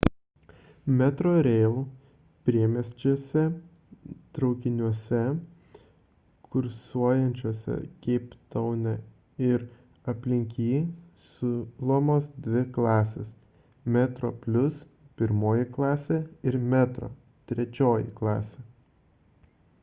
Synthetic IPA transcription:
mʲɛt̪ɾoːɾʲɛɪlˠ | pʲɾʲiɛmʲɛsʲt͡ʃʲuɔsʲɛ | t̪ɾɒʊkʲɪnʲuɔsʲɛ | kʰʊɾsuɔjɛnʲt͡ʃʲuɔsʲɛ̰kʲɛɪpt̪ɐʊnʲɛ | ɪɾ | ɐpʲlʲɪŋʲkʲiːsʊlˠomoːsd̪ʲʋʲɪklˠɑːsʲḛːs | mʲæt̪ɾo̰ːpʲlʲʊs | pʲɪɾmoːjɪklˠɑːsʲɛɪɾmʲæt̪ɾo̰ː | t̪ʲɾʲɛt͡ʃʲoːjɪ̰klˠɑ̰ːsʲe

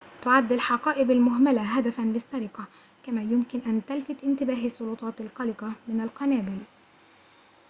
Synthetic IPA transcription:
t̪ʊʕad̪ːalħɑqɑːʔɪbalmʊɦmalaɦad̪afanlɪsːaɾɪqɑ | kamaːjʊmkɪnʔant̪alfɪt̪ʔɪnt̪ɪbaːɦasˤːʊlʊt̪ˤɑːt̪alqɑlɪqɑmɪnalqɑnaːbɪl

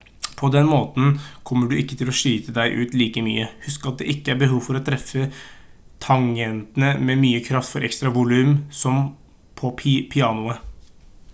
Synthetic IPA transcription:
pʰɔd̪ɛnmoːt̪n̩kʰɔmːəɖʉʔɪkːə̥t̪ʰɪlɔʂiːt̪əd̪æɪʔʉːt̪liːkəmy̰ːəhʉskɑt̪̚d̪ɛ̰ʔɪkːəæɾbəɦuːʋfɔɾɔt̪ʰɾɛfːə | t̪ʰɑŋɛnt̪ənəmɛmyːəkʰɾɑft̪fɔɾɛkst̪ɾɑʋʊlʉːmsɔm | pʰɔpʰɪɑːnʊə

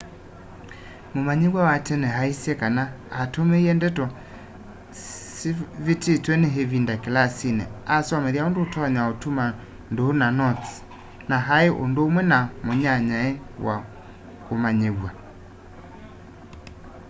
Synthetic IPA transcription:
momaɲeɣwawatɛnɛɦaisjɛkanaː | tomeiɛndɛtɔ | sivetetwɛneɦeβindakelasinɛ̰asɔmɛðjaondoːtɔɲaotuma | ndohonanɔt | naɦaeʔo̰ndoːmwɛnamoɲaɲaɛwa̰ | komaɲeɣwa

